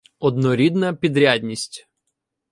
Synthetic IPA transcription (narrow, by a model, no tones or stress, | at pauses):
ɔd̪nɔɾʲid̪nɐpʲid̪ɾʲadʲnʲisʲtʲ